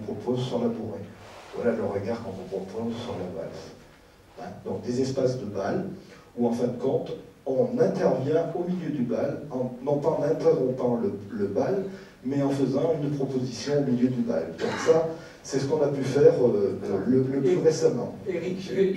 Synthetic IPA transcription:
ɔ̃pχɔpʰozsyʁlabuʁevwa̰laləʁəɡaʁkɑ̃t̪ɔ̃pχɔpʰozsyʁlaba̰l | ɛ̃d̪ɔ̃k̚d̪ezɛspasd̪əbal | uɑ̃fɛ̃d̪əkɔ̃t̪ɔ̃nɛ̃t̪ɛʁvjɛ̃omiljød̪ybalɑ̃nɔ̃pãnɛ̃t̪œʁɔ̃pɑ̃lələbal | mɛɑ̃fəzɑ̃ynpχɔpozisjɔ̃omiljød̪yba̰ld̪̥ɔ̃ksa | sɛsə̥kɔ̃napyfɛʁølələpyʁesamɑ̃eik

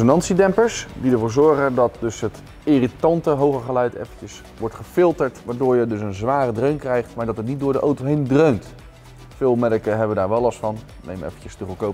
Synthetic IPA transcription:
sonɑntsidɛmpəɹsdidəɹvʊːɹzɔɹχədɑt̚dɵsɦət | ɪritɑntəɦowχəχəlœɥtʰɛ̰fəcəs | ʋɔɹtχəfɪlˠtəɹtʋaːɹdʊːɹjədɵsənzʋaːrədrøɥnkrɛjχtmaːɹdɑtɦətnit̚dʊːɹdəʔowtoɦejndrøɥnt | fɪːlˠmɛdəkəɦɛbəʋədaːɹʋɛlˠɑsfɑn | nḛjmɛ̰fəncəstəvəlkowp

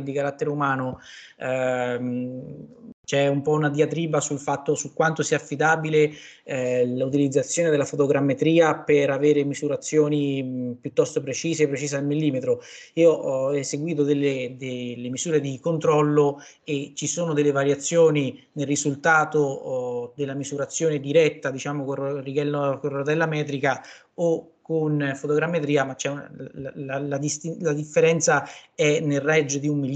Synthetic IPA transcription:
d̪ikaɾat̪ːeɾeumaːno | t͡ʃɛumpɔunad̪iat̪ɾiːbasulfat̪ːosukːwant̪osiːafːid̪aːbile | lut̪̬ilid̪zːat̪sːjoːned̪elafot̪oɡɾamːet̪ɾiːapeɾaveːɾemizuɾat̪sːjoːnipjut̪ːɔst̪opɾet͡ʃiːseːpːɾet͡ʃiːzealmilːiːmet̪ɾo | iːoʔɔseɡwiːt̪̬od̪elːed̪elːemizuːɾed̪ikont̪ɾɔlːo | et͡ʃisoːnod̪elːevaɾjat̪sːjoːni | nelrizult̪aːt̪od̪elːamizuɾat̪sːjoːned̪iɾɛt̪ːad̪it͡ʃaːmokorːiɡɛlːkorot̪ɛlːamɛːt̪̬ɾika | okːonfot̪oɡɾamːet̪ɾiːamat͡ʃːɛnlalad̪ist̪ilad̪ifːeɾɛnt̪saɛnelrːɛd͡ʒːod̪iumːilː

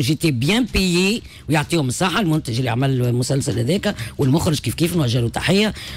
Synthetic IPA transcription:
ʒit̪ibjɛ̃piji | wjoʕt̪ˤiːhʊməsˤːɑħalmʊnt̪æʒɪlːḭʕmælmʊsælsalhæðɛːkæwɪlmʊxɾɪʒkiːfkiːfnwæʒælut̪ːaħɪjːa

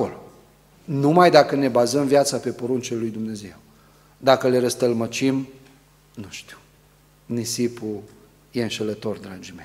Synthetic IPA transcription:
olo | numajd̪akəne̞bazəmvjat̪sape̞po̞ɾunt͡ʃelujd̪umne̞ze̞w | d̪akəle̞ɾəst̪əlmət͡ʃim | nuʃt̪i̥w | nisipu | je̞ɨnʃelət̪o̞rd̪ɾad͡ʒimej

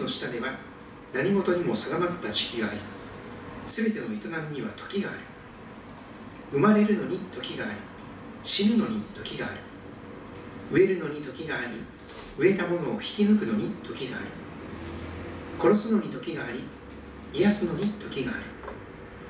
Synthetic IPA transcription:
no̞ɕi̥t̪ad̪e̞βa | naɲ̟iɡo̞t̪o̞ɲ̟imo̞sad̪amat̪ːat͡ɕi̥kʲiɡaːɾʲi | sɨbe̞t̪e̞no̞it̪onamʲiɲ̟iβa̰t̪ʰo̞̥kʲiɡa̰ːɾɯ̟ | ɯ̟maɾe̞ɾɯ̟no̞ɲ̟it̪o̞kʲiɡaːɾʲi | ɕimɯ̟no̞ɲ̟it̪o̞kʲiɡaːɾɯ̟ | ɯ̟e̞ɾɯ̟no̞ɲ̟it̪o̞kʲiɡaːɾʲi | ɯ̟e̞t̪amo̞no̞ːçi̥kʲinɯk̬ɯ̟no̞ɲ̟it̪o̞kʲiɡa̰ːɾɯ̟ | ko̞ɾo̞sɨno̞ɲ̟it̪o̞kʲiɡaːɾʲi | ijasɨno̞ɲ̟it̪o̞kʲiɡa̰ːɾɯ̟

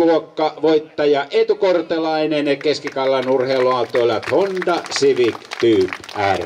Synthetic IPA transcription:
uokːɑʋoit̪ːɑjɑʔet̪ukort̪elɑinenekeskikɑlːɑnurheːloɑt̪ˑoˑilːɑt̪ʰont̪ɑsiʋikt̪yːpær

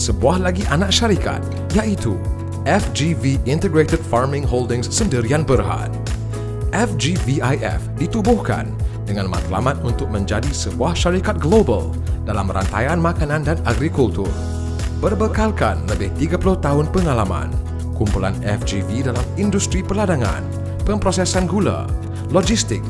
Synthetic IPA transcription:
səbuahlaɡiʔanak̚ʃaɾika̰t̪̚ | jaʔit̪ṵ | ʔɛfd͡ʒiviint̪əɡɾet̪əd̚farmɪ̃ŋɦoldɪ̃ŋsːəndəɾianbərɦa̰t̪̚ | ʔɛfd͡ʒiviajɛ̰fdit̪ubʊhka̰ndəŋãnma̰t̪la̰mãt̪̚unt̪ʊk̚mə̃ɲd͡ʒadisəbuahʃaɾikat̪̚ɡlobə̰l | dalamɾa̰nt̪a̰janmakanãndanaɡɾikult̪ʊr | bərbəkalkanləbɪht̪iɡapulʊht̪aɦʊnpəŋalamã̰n | kumpulanɛfd͡ʒividalamindust̪ɾipəladaŋã̰n | pəmpɾosɛsanɡula̰ | lod͡ʒist̪ɪk̚

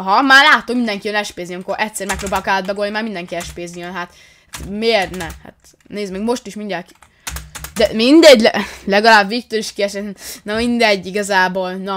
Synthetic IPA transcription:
ɦɒmaːrlaːt̪oomind̪ɛŋkijønɛʃpeːzijøŋkoɾʔɛctsɛɾmɛk̚pɾoːbaːlokɛlːɛd̪bɛɡonimaːɾmind̪ɛŋkiɛʃpeːzijønɦat̪ | t̪meːrnɛha̰t̪ | neːzmɛɡmo̞ʃt̪iʃmind̪ɛki̥ | d̪ɛmind̪ɛɟːlɛlɛɡɒlaːbːiːk̚t̪oliʃkijɛʃɛnnɛmind̪ɛɟːiɡɒzaːboːlnɒ

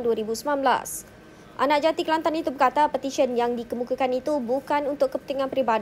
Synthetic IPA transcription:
nduaɾibusəmãnbla̰s | ʔa̰nãʔd͡ʒat̪ikəlant̪anit̪ubərkat̪apət̪iʃənjaŋdikəmukakanit̪ubukanunt̪ʊʔkːəpənt̪iŋãnpɾiba

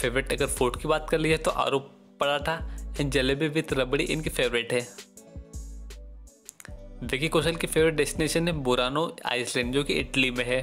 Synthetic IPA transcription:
feːʋɾeʈɐɡəɾfʰoːʈkibaːt̪kɐɾliɦɛt̪oʔa̰ːɾoːpː | pɐɽaːʈʰaɛ̃ːnd͡ʒɐlebiʋɪt̪ɾɐbɽiʔɪnkifeːʋɾɪʈɦɛː | ʋekikoːʃəlkifeːʋɾɪʈ̚ɖɛːsʈɪneːʃənɦɛ̃bʊɾaːnoa̰ːɪslɛ̃ːɳɖd͡ʒõkiʔɪʈlimẽɦɛː

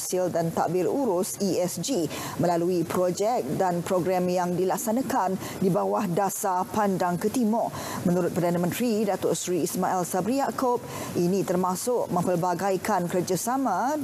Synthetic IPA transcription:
sɪldant̪a̰ʔbɪruɾʊsiɛsd͡ʒi | mə̃laluipɾod͡ʒɛk̚danpɾoɡɾamjaŋdilak̚sanãkan | dibawahdasapandaŋkət̪imɔʔ | mə̃nuɾʊt̪̚pərdanamə̃nt̪ɾidat̪ʊsɾiːsmaʔɛlsabɾiakob̚ | ʔinĩt̪ərmasʊk̚mə̃mpəlbaɡajkankərd͡ʒasamã

